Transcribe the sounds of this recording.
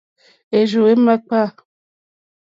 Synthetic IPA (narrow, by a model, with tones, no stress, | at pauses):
e˨ʒo˨e˦ma˦k͡pa˦˨